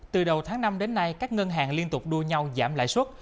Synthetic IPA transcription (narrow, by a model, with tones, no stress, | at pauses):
t̪ɨ˨˩ɗə˨˩wt̪ʰaː˨˦ŋna˧mɗe˨˦nːa˧jkaː˦˥k̚ŋə˧nɦa̰ː˨˩ŋli˧ənt̪ʊ˨˩k͡p̚ɗu˧əɲa˧wzaː˧˩mla̰ː˧˨jswə˦˥t̚